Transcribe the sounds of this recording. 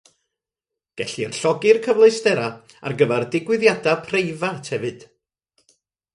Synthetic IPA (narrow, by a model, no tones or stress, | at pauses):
ɡ̥ɛɬirɬɔɡɪrkʰəvlˠejstɛɾa | a̰rɡəvɛrdɪɡwɪðjadapʰrejvatʰhɛvɨd̥